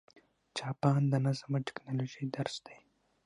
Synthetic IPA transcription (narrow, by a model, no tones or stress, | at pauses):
t͡ʃɑːpɑːnd̪ənazamaʈɪ̥knɑloʒid̪aɾsd̪ej